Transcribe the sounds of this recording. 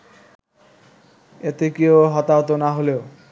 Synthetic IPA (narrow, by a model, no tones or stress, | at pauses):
et̪ekioɦɔt̪aɦot̪onaɦoleo